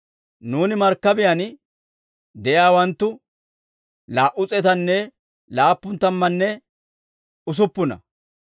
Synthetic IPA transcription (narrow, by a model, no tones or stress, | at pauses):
nuːnɪmɐɾkːɐbɪjɐn | d̪ɛjaːwɐnt̪ːʊ | laːʔʊt͡sʼɛt̪ɐnːɛ | laːpːʊnt̪ɐmːɐnːɛ | ʊs̬ʊpːʊnɐ̰